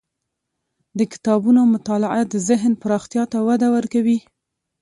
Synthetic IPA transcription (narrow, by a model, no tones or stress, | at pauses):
d̪əkɪ̥t̪ɑbunoamʊt̪ɑlaʔad̪əzɪɦnpəɾɑxt̪jɑt̪awad̪awəɾkawi